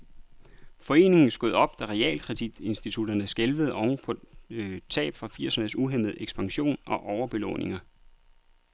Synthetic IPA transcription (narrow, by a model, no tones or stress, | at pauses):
fɒ̽e̝̰ːne̝ŋn̩sɡ̥o̝ð̞̩̰ˠɒ̽b̥̚d̥æʁɛɛ̰ːlkʰʁɛd̥id̥e̝nsd̥it͡sʰud̥ɐnəsɡ̥elʋəð̞̩ˠʔɒʊŋpʰɒ̽t͡sʰɛ̰ːb̥fʁɑ̈fiɐ̰sneð̩ˠsuɦem̰ð̞̩ˠeɡ̥sb̥ɑ̈ŋɕo̝̰ːnɒ̽ʔɒʊɐb̥e̝lɔ̰ːnʔe̝ŋɐ